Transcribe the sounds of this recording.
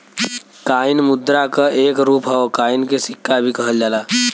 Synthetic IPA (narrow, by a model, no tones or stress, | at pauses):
kainmud̪ɾakəʔeːkɾuːpɦəokainkesikːabʱikəɦəld͡ʒaːla